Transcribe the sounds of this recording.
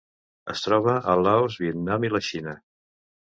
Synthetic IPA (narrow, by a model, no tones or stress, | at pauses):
əst̪ɾɔβ̞əʔəlaozβiət̪namiləʃinə